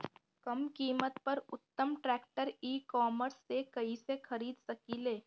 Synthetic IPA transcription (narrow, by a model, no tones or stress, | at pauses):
kɐmkiːmət̪pɐɾʊt̪ːəmʈɾɛːk̚ʈəɾiːkɔːməɾsːekɐisexʰɐɾiːd̪sɐkiːleː